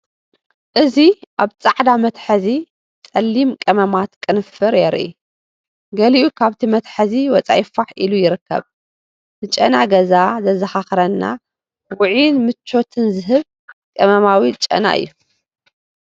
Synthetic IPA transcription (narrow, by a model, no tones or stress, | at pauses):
ʔɨziʔaβt͡sʼaʕd̪amɐt̪ħɐzi | t͡sʼɐlːimkʼɐmɐmat̪kʼɨnɨfɨɾjɛɾʔḭ | ɡɐliʔukʰaβt̪ʰimɐt̪ħɐziwɔt͡sʼa̰jɪfaħʔilujɪɾɨkːɐ̰β | nɨt͡ʃʼɐnaɡɐzazɐzɐxaxɾɐnːa̰ | wʊʕinmɨt͡ʃːo̞t̪ʰɨnzɨɦɨβ | kʼɐmɐmawit͡ʃʼɐ̰na̰ʔɨ̰jːu